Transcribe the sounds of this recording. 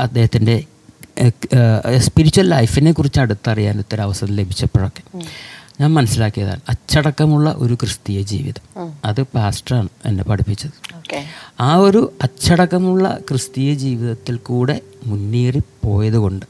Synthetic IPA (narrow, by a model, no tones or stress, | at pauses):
ɐd̪ːe̞ːhɐt̪ːinde̞ | spiɾit͡ɕːuwɐllɐjfinːe̞kːurit͡ɕːɐɽut̪ːɐrija̰ːnot̪ːɐɾɐʋɐsɐnːile̞bʱit͡ɕːɐpːoɭo̞kːe̞ɲaːnmɐnɐsːilaːkːijɐða̰ːɳɨɐt͡ɕːɐɽɐkːɐmuɭːɐ̰ʔo̞̰ɾukrɨst̪ijɐd͡ʑḭːʋiðɐɐðɨpaːsʈraːɳɨḛnːe̞̰pɐɽipːit͡ɕːɐðɨokaːo̞ɾuɐt͡ɕːɐɽɐkːɐmuɭːɐ̰krɨst̪ijɐd͡ʑiːʋiðɐt̪ːilkuːɽe̞munːiːripo̞ːjɐðuko̞ɳɖɨ